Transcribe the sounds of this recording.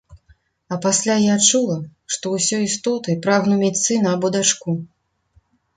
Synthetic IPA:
ɐpasʲlʲajat͡ʂulˠɐʂt̪ɔwsʲɔist̪ɔt̪ɨpɾaɣnumʲɛt̪sɨnɐbɔd̪at͡ʂku

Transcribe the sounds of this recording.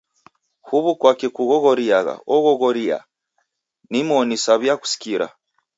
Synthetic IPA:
huβukwakɛkuɣɔɣɔɾiaɣa̰ɔɣɔɣɔɾia̰ | nimɔnisaβjaku̥si̥kiɾa̰

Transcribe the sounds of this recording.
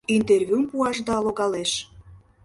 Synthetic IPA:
int̪ervʲjumpuɑʃd̪ɑloɣɑleʃ

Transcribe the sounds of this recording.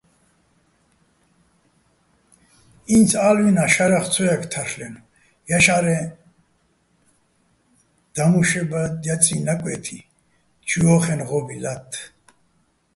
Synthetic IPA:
int͡sʰalwinaʃaɾaχt͡sʰɔjakʰt̪ʰaɾlɛn | jaʃaɾɛ | d̪̥amuʃɛbajat͡sʼinakʼwɛt̪ʰi | t͡ʃʰiɔχɛnʁɔbilat̪ʰː

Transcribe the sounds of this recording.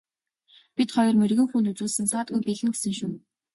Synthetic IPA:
pit̪χɔjɞ̆rmerɣɘ̆ŋxuːnt̪ut͡suːɮsɘ̆nsaːt̪̚ɡujpiːɮɘ̆ŋɡesɘ̆ŋʃun

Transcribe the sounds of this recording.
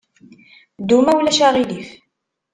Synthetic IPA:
d̪umæwlæʃaʁilif

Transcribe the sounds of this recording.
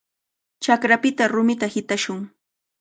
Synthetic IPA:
t͡ʃakɾapɪt̪aɾʊmɪt̪ahɪt̪aʃʊŋ

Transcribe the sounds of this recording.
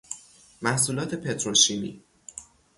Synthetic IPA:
mæhsuːlɒːt̪ʰe̞pʰe̞t̪ʰɾolʃiːmḭː

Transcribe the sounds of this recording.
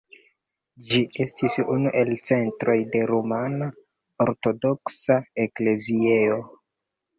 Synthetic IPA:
d͡ʒiʔe̞stʰisunuʔe̞lt͡se̞ntɾo̞jde̞ɾomana | oɾto̞do̞ksaekle̞zieo

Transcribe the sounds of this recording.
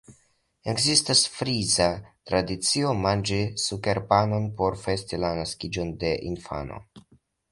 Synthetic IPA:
e̞ɡzistasfɾizatɾadit͡sio̞mand͡ʒisuke̞ɾpano̞npo̞ɾfe̞stilanaskid͡ʒo̞nde̞ʔinfa̰no̰

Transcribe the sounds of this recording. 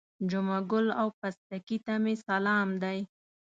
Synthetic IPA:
d͡ʒʊmaɡʊlawpast̪akit̪amesalɑmd̪aj

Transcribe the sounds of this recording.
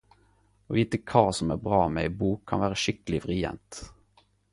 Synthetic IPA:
oːʋiːt̪əkʰɑːsɔmæ̰ːʁbʁɑːmeːibuːkʰːɑnʋæːʁəʃɪkəlɪʋʁɪɛ̰nt̪

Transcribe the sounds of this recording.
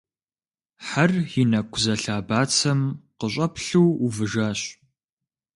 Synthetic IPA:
ħarjɪnɐkʷʰzɐɬaːbaːt͡sʰɐmqəɕ̬ʷʼɐpɬuwuvɨʒaːɕ

